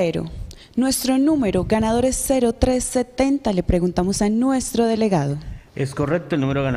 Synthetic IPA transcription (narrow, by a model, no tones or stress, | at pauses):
eɾo̰ | nwe̞st̪ɾo̞nume̞ɾoɣanað̞o̞ɾesːe̞ɾot̪ɾe̞sːe̞t̪e̞nt̪ale̞pɾe̞ɣunt̪amo̞sanwe̞st̪ɾo̞ðe̞le̞ɣaðoeskorek̚t̪olnũmeɾoɣan